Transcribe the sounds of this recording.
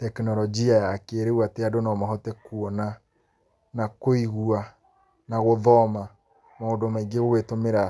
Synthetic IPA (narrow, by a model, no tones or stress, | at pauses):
tɛknɔɾɔd͡ʒiajakeɾewateadonɔmaɦɔtɛkuɔna | nakoiɣua | naɣoðɔma | maodomaiɡeɣoɣwetomeɾa